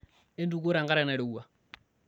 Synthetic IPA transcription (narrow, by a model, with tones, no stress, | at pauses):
e˦ndu˦ko˦ɾa˨ŋɡa˦ɾa˦na˨ɾe˨u˦wa˨